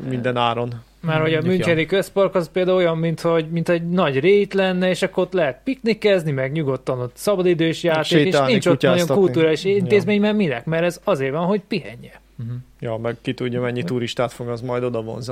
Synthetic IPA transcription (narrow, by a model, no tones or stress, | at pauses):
mind̪ɛnaːɾon | marho̞ɟɒmyɲkɛd̪ikøspɒrkɒzpeːld̪aːuojɒmːint̪ho̞ɟmint̪ɛɟnɒɟreːt̪lɛnːɛeːʃɒkːoot̪lɛɦɛt̪̚piknikːɛznimɛɡɲuɡo̞t̪ːɒnot̪sɒbɒd̪id̪øːʃjaːt̪eekeːʃiɲt͡ʃoɒoŋkuluːɾaːliʃint̪eːzmeːɲmɛmilɛkmɛɾɛzɒzeːrvɒnɦo̞ɟpiɦɛɲːɛ | jɒːmɛɡkit̪uɟːɔmɛɲːit̪uɾiʃt̪aːt̪foɡɒzmɒjd̪o̞d̪ɒvo̞̰nz